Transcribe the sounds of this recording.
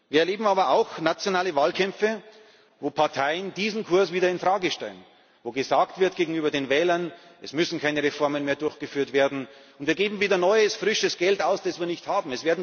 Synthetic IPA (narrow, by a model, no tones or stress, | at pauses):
viːɐɛɐleːbm̩aːbɐʔaʊxnat͡sjonaːləvaːlkʰɛmfə | voːpʰaɐtʰaɪənd̥iːzn̩kʰʊɐsviːdɐɪnfʁaːɡəʃtɛ̰lən | voːɡəzaːktv̥ɪɐtɡ̥eːɡŋ̩yːbɐdeːnvɛːlɐnʔɛsmʏsn̩kʰaɪnəʁefɔɐmənmeːɐdʊɐçɡ̥əfyːɐtv̥eːɐdn̩ʊntv̥iːɐɡeːbm̩viːdɐnɔʏəsfʁ̥ɪʃəsɡ̥ɛltaʊsd̥asviːɐnɪçthaːbm̩ɛsv̥eːɐdn̩